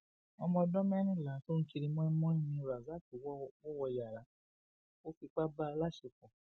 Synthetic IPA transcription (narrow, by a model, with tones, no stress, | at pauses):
ɔ˧mɔ̃˧dɔ̃˦mɛ̃˦nĩ˦˨la˨˦to˦ñ̩˦t͡ʃi˧ɾi˧mɔ̃˦mɔ̃˦ĩ˦˨mĩ˧ɾa˨za˨˦˨ti˨wwɔ˦wɔ˧ja˨ɾa˨˦ | o˦fi˧k͡pa˦ba˦˧la˦ʃe˧kɔ̃˨